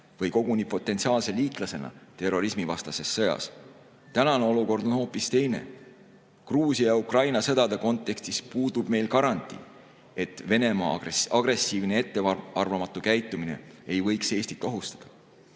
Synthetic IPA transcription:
vɤjko̞ɡ̥unipo̞t̪ːˑent̪siɑːlse̞liːt̪ˑlɑse̞nɑ̰t̪e̞ro̞ɾismivɑst̪ɑse̞sːɤ̞jɑ̰s | t̪ænɑne̞o̞luko̞rd̪̥o̞nho̞ːpˑist̪e̞jne̞̰ | kruːsijɑukrɑjnɑsɤd̪̥ɑd̪eko̞nt̪ːˑe̞kst̪ispuːd̪ub̥me̞jlkɑɾɑnt̪ˑḭ | e̞t̪ːˑve̞ne̞mɑ̰ɑɡ̥re̞sːiːvne̞e̞t̪ːeɑɑrvɑmɑt̪ːˑukæjt̪ːˑumine̞̰ejvɤ̞jkse̞ːsʲt̪it̪ːˑo̞ɦust̪ɑ̥d̪̥ɑ̥

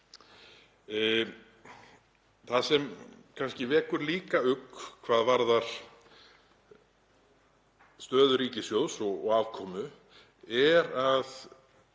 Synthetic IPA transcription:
θasɛmkʰanscɪvɛːkʏɾliːkaʏkːkʰvaːðvaɾðaɾ̥ | st̪œːðʏɾiːcɪsjowsɔɣɔ̰ɣaːvkʰɔːmʏ | ɛɾað

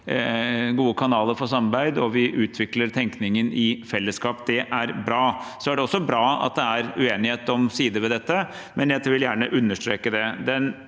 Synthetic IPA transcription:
ɡuːəkʰɑnɑːləɾfɔʂɑmɑɾbæɪd̪ɔʋɪʔʉːt̪ʰʋɪkləɾt̪ʰɛŋknɪŋənɪfɛlːəskɑːpd̪ɛʔæɾbɾɑːsɔæɖɛɔsːɔbɾɑːɑ̰t̪̚d̪ɛæɾʉeːnɪheːt̪ɔmsiːd̪əʋɛd̪ɛt̪ːə | mʔɛnjæt̪ːʋɪljæːɳəʔʉnːəʂʈ̪ɾeːkəd̪ɛd̪ɛn

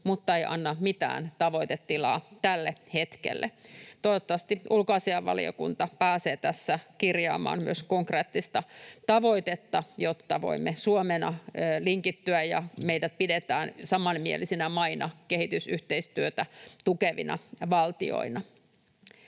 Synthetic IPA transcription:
mut̪ːɑeiʔɑ̰nːɑmit̪æ̰ːnt̪ɑʋo̞it̪et̪ːilɑ̰ːt̪ælːehet̪kḛlːḛt̪oiʋot̪ːɑʋɑst̪iʔulkoɑsiɑʋʋɑ̰lḭo̰kṵnt̪ɑpæːseːt̪æsːækirjɑ̰ːmɑ̰ːnmyøskoŋkreːt̪ːist̪ɑt̪ɑʋo̞it̪et̪ːɑjot̪ːɑʋo̰imːesuomenɑːliŋkit̪ːyæjjɑmeidæt̪̚pidet̪æːnsɑmɑnmielisinæmɑinɑkehit̪ysyht̪eist̪yøt̪æt̪ukeʋḭnɑ̰ʋɑlt̪io̰inɑ

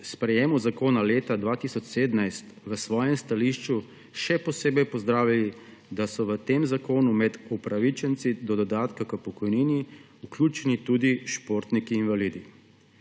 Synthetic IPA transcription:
spɾɛjeːmuzakoːnaleːt̪ad̪ʋaːt̪isɔt͡ʃseːd̪najst̪ʋəsʋɔːjɛmst̪aliʃt͡ʃu | ʃɛpɔseːbɛjpɔzd̪ɾaːwjalid̪asɔʋət̪eːmzakoːnumɛd̪upɾaʋit͡ʃɛnt̪sid̪ɔd̪ɔd̪aːt̪kakəpɔkɔjniːni | uklʲjuːt͡ʃɛnit̪uːd̪iʃpoːɾt̪nikiːnʋaliːd̪i

